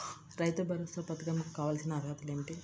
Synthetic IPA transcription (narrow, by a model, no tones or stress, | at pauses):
ɾɐjt̪ubʱɐɾost̪ɐpɐt̪ɐɡɐmkukaːʋaːlɐsinɐːd̪ʱɐt̪uleːɳʈi